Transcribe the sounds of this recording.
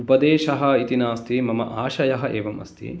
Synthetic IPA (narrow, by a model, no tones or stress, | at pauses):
upɐd̪eːʃɐɦɐ̆it̪inaːst̪imɐmɐ̰ʔaːʃɐjɐɦɐʔeːʋɐmɐ̰st̪ḭ